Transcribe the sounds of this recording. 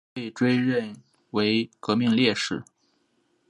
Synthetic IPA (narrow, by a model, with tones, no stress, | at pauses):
pe˥˩ɪʈ͡ʂwe˥ɪɻə˥˩n | we˧˥ɪkɤ˧˥mi˥˧ŋljɛ˥˧ʂɻ̩˥˩˦